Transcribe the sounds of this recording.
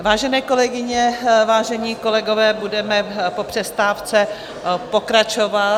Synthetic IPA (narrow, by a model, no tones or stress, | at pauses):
vaːʒɛnɛːko̞lɛɡɪɲɛvaːʒɛɲiːko̞lɛɡo̞vɛːbudɛmɛpo̞pr̝̥ɛst̪aːft͡sɛ | po̞kɾat͡ʃova